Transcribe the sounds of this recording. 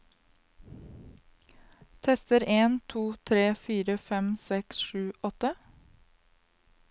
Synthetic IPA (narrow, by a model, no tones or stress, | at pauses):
t̪ʰɛst̪əɾeːnt̪ʰuːt̪ʰɾeːfiːɾəfɛmsɛksʃʉːʔɔt̪ə